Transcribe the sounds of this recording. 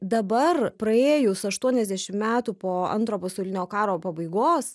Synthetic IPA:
d̪ɐbɐrpɾɐeːjoːsʊɐʃt̪uɔnʲɛzʲd̪ʲæʃʲɪmmʲæːt̪uːpoːɐ̰nt̪ɾoːpɐsɐʊlʲɪnʲoːkɑːɾoːpɐbɐɪɡoːs

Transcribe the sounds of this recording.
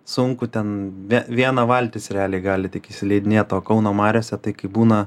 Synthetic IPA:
sʊŋkʊt̪ʲɛnʋʲiʋʲiɛnɐʋɐlʲt̪ʲɪsɾʲɛɑːlʲɛɪɡɑːlʲɪt̪ʲɪkʲɪsʲɪlʲɛɪd̪ʲɪnʲeːt̪oːkɐʊnoːmɑːɾʲoːsʲɛt̪ɐɪkɐɪbuːnɐ

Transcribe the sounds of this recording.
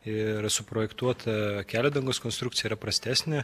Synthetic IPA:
ɪɾsʊpɾoːjɛkt̪uɔt̪ʰɐkʲæːlʲɛd̪ɐŋɡoːskoːnst̪ɾukt̪ʲɪjɛiːɾɐpɾɐsʲt̪ʲæːsʲnʲɛ

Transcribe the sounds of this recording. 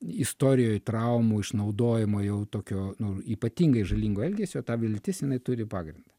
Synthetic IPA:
ɪst̪oːɾʲɪjoːjt̪ɾɐʊmuːɪʃnɐʊd̪oːjɛmoːjɛʊt̪oːkʲoːnʊiːpɐt̪ʲiːŋɡɐɪʒɐlʲiːŋɡoːɛlʲɡʲesʲoːt̪ɑːʋʲɪlʲt̪ʲɪsjɪnɐɪt̪ʊɾʲɪpɑːɡɾʲɪnd̪ɐ

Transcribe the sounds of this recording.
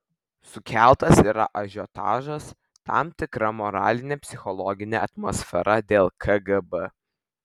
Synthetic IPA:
sʊkʲʰæˑlˠt̪ɐsiːɾɐ̰ʔɐʒʲɔt̪ɑ̰ːʒɐs | t̪ɑ̰mt̪ʲɪkɾɐmɔɾɑ̰ːlʲɪnʲeːpʲsʲɪxɔlˠɔɡʲɪnʲeɐt̪mɔsʲfʲɛɾʔɐd̪ʲeːlˠkʰɐɡɐbə

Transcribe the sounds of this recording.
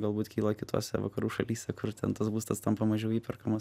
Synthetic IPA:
ɡɐlˠbuːt̪kʲiːlˠɐkʲɪt̪o̰ːsʲɛ̰ʋɐkɐɾuːʃɐlʲiːsʲɛkʊrt̪ʲɛnt̪ɐsbuːst̪ɐst̪ɐmpɐmɐʒʲɛʊiːpʲɛrkɐmɐs

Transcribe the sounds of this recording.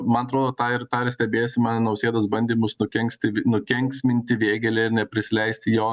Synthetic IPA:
mɐnɐt̪ɾoːd̪oːt̪ɑːɪɾt̪ɑːɪɾsʲt̪ʲɛbʲeːsʲɪmɑːnʲnɐʊsʲeːd̪ɐsbɐnʲd̪ʲiːmʊsnʊkʲɛŋʲksʲt̪ʲɪʋʲnʊkʲɛŋʲksʲmʲɪnʲt̪ʲɪʋʲeːɡʲɛlʲɛɪɾnʲɛpʲɾʲɪsʲɪlʲɛɪsʲt̪ʲɪjoː

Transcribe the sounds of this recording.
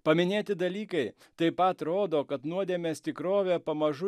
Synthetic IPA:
pɐmʲɪnʲeːt̪ʲɪd̪ɐlʲiːkɐɪ | t̪ɐɪpɐt̪ɾoːd̪oːkɐt̪nuɔd̪ʲeːmʲeːst̪ʲɪkɾoːʋʲeːpɐmɐʒʊ

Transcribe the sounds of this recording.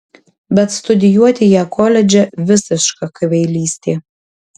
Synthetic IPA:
bʲɛt̪st̪ʊd̪ʲɪjuɔt̪ʲɪjɛːkɔlʲɛd͡ʒʲɛʋʲɪsʲɪʃkɐkɐʋʲɛɪlʲiːsʲt̪ʲeː

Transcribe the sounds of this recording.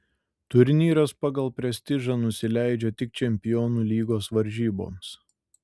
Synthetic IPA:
t̪ʊɾʲnʲiːɾɐspɑːɡɐlˠpʲɾʲɛsʲt̪ʲɪʒɑnʊsʲɪlʲæˑɪd͡ʒʲɛt̪ʲɪk̚t͡ʃʲɛmʲpʲɪjɔːnuːlʲiːɡoːsʋɐɾʲʒʲiːbo̰ːms

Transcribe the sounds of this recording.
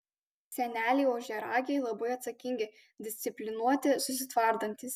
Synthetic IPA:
sʲɛnʲæːlʲɛɪoːʒʲɛɾɑːɡʲɛɪlˠɐbɐɪɐt̪sɐkʲɪŋʲɡʲɪ | d̪ʲɪsʲt̪sʲɪpʲlʲɪnuɔt̪ʲɪsʊsʲɪt̪ʋɐˑɾd̪ɐnʲt̪ʲɪs

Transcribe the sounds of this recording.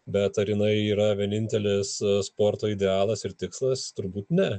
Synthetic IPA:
bʲɛt̪ɐɾjɪnɐɪiːɾɐʋʲiɛnʲɪnʲt̪ʲɛlʲɪsspoːɾt̪oːɪd̪ʲɛɑːlˠɐsɪɾt̪ʲɪkslˠɐst̪ʊɾbuːt̪nʲɛ

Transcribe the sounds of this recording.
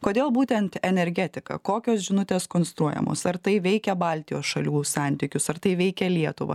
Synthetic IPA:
koːd̪ʲeːlˠbuːt̪ʲɛnt̪ɛnʲɛɾʲɡʲæt̪ʲɪkɐ̰koːkʲoːsʒʲɪnʊt̪ʲeːskoːnst̪ɾuɔjɛ̰mo̰ːsɐɾt̪ɐɪʋʲɛɪkʲɛbɑˑlʲt̪ʲɪjoːsʃɐlʲuːssɑˑnʲt̪ʲiːkʲʊsɐɾt̪ɐɪʋʲɛɪkʲɛlʲiɛt̪ʊʋɐ̰

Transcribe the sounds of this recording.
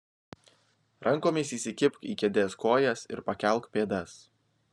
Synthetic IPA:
ɾʔɐŋˑkoːmʲiːsiːsʲɪkʲɪpkḭːkʲɛd̪ʲeːskoːjɛsɪ̰ɾpɐkʲɛˑlˠˑkpʲeːd̪ɐs

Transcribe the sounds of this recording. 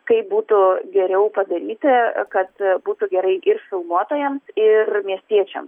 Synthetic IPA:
kɐɪp̚buːt̪ʊɡʲɛɾʲɛʊpɐd̪ɐɾʲiːt̪ʲɪkɐt̪buːt̪ʊɡʲɛɾɐɪʔɪrfʲɪlˠmuɔt̪oːjɛmsɪrmʲiɛsʲt̪ʲiɛt͡ʃʲɛ̰ms

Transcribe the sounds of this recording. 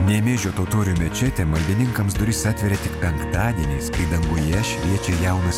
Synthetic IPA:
nʲɛmʲeːʒʲoːt̪oːt̪oːɾʲuːmʲɛt͡ʃʲɛt̪ʲɛmɐlʲd̪ʲɪnʲɪŋkɐmsd̪ʊɾʲɪsɑːt̪ʲʋʲɛɾʲɛt̪ʲɪkpʲɛŋkt̪ɑːd̪ʲiɛnʲeːskid̪ɐŋɡʊjɛʃʲʋʲiɛt͡ʃʲɛjɛˑʊnɐs

